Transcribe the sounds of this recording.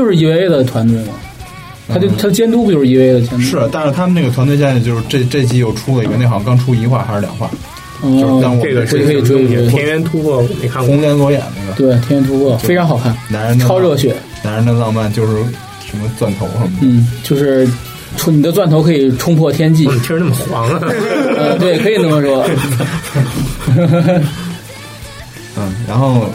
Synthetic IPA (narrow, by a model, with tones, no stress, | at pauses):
jo˥˧ʊʂɻ̩˥˩i˧˥we˧˥ɪd̪ə˨t̪ʰwa˧˥nt̪we˥˩ɪnə̰˩ | t̪ʰt͡ɕjo˥˧ʊt̪ʰa˥d̪ə˩t͡ɕjɛ˥nt̪̬u˥pʊʂɻ̩˥˩i˧˥we˧˥ɪ˥˩d̪ə˩t͡ɕjɛ˥ntʂɻ̩˥˩t̪a˥˧nʂɻ̩˥˩t̪ʰa˥mə˧ne˥˩ɡə˩wa˧˥nt̪we˥˧ɪjɛ˥˧nɛ˥˩t͡ɕjo˥˧ʊʂɻ̩˥˧ʈ͡ʂe˥˧ʈ͡ʂe˥˧ɪt͡ɕi˥˧jo˥˩ʊʈ͡ʂʰu˥lə˨ḭ˨˧˩ɡə˧ne˥˩ɪxɑ˧˥ŋkɑ˥ŋʈ͡ʂʰu˥i˧˥xwa˥˩xa˧˥ʂɻ̩˥˧ljɑ̰˨˩ŋxwa̰˥˩ | ɔ˥˧lɑ˥˩ŋwɔ˨˥˩kʰɤ˧˥˧we˥˧˩ɛ˥jɛ˥nt̪ʰu˥kʰwɔ˥˩ni˨˩kʰa˥˩kʊ˥ŋljɛ˥nlwɔ˧˥jɛ̰˨˩nnə˥˩ə˩t̪we˥˩ɪt̪ʰjɛ˥nɥɛ˧˥nt̪ʰu˥pʰwɔ˥˩e˥ɪʈ͡ʂʰɑ˧˥ŋxɑ˨˩ʊkʰa˥˩nna˧˥nə˧nʈ͡ʂʰɑ˥ʊɻɤ˥˩ɕɥɛ˨˩˦ | na˧˥ə˧nə˥˧lɑ˥˧ŋma˥˧nt͡ɕjo˥˧ʊʂɻ̩˥˩ | ʂə˧˥nmə˧t͡swa˥˩nt̪ʰo˧˥ʊʂə˧˥mn̩˥˩t͡ɕjo˥˧ʊʂɻ̩˥˩ | ʈ͡ʂʰu˥˩ni˨˩d̪ə˦t͡swa˥˩nt̪ʰo˧˥ʊkʰɤ˧˥i˨˩ʈ͡ʂʰʊ˥ŋpʰwɔ˥˩t̪ʰjɛ˥nt͡ɕi˥˩˨t͡ɕʰo˥˧ʂɻ̩˧˥na˥˩mə˩ɑ˨˩wɑ˧˥ŋ˧ə˥˧t̪we˥˩ɪkʰɤ˧˥i˨˩nə˥˩mə˧˩ʂwɔ˥˩ | ə˥˩ɻa˧˥xo˥˩ʊ